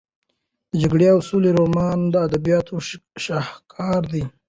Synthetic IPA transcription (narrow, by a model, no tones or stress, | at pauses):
d̪əd͡ʒaɡɽeawsuleɾomɑnd̪əad̪abijɑt̪ʰoʃɑhkʰɑɾd̪i